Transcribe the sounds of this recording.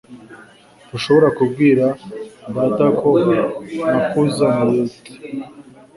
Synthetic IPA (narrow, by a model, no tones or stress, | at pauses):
duʃo̞βo̞ɾakubɡiːɾaβatakʰo̞ | nakʰuzamuɾui̥